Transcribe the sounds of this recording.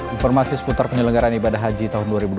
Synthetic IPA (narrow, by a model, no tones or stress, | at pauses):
infɔrmasisə̥put̪arpəɲələŋɡaɾanibadaɦad͡ʒit̪aɦʊnduaɾibud